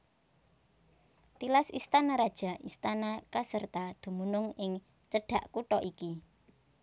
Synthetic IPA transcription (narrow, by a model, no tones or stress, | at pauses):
t̪ilasist̪anaɾad̥ʒ̥a̤ʔist̪anakasərt̪ad̪̥ṳmunʊŋɪŋ | t͡ʃəɖ̥ä̤ʔkuʈɔʔiki